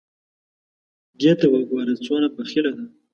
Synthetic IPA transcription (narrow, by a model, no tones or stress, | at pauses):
ɡet̪awaɡwɑɾat͡sonapəxɪlad̪a